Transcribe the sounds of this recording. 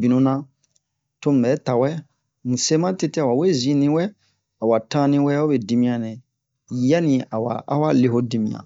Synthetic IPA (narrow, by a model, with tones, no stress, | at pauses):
bi˨nũ˨˦nã˦ | to˦m̩˨bɛː˨˦ta˨wɛ˦ | n̩˨se˦mã˦te˦te˦a˨wa˨we˦zĩ˦nĩ˦wɛ˦ | a˨wa˨tã˦nĩ˧wɛ˦o˦be˨di˨mĩ˦ã˨nɛ̃˨ | ja˦nĩ˨a˨wa̰˨a̰˦wa˦le˨ɦo˦di˨mḭ̃˨ã̰˨